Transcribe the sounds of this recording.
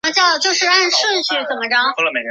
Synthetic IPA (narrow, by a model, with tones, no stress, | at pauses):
a˥t͡ɕjɑ˥˩ʊ˧˩t͡ɕjo˥˧ʊʂɻ̩˥˧a˥˧nʂwə˥˧nɕɛ˥˩t͡sə˨˩nmə˦ʈ͡ʂɑ˥ŋ˥˧lə˨me˧ɪ˥